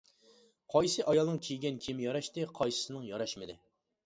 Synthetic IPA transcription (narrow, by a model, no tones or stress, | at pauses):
qʰɑjsɨʔɑjɑlˠnɨŋkʲʰejɡʲɛnkʲʰimjɑɾɑʃt̪ɨqʰɑjsɨ̥sɨnɨŋjɑɾɑʃmɨd̪ɪ